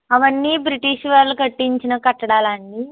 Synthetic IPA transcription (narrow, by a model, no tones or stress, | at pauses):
ɐʋɐnːiːbɾiʈiʂʋaːɾlukɐʈːiɲt͡ʃinɐkɐʈːɐɽaːlaːnːi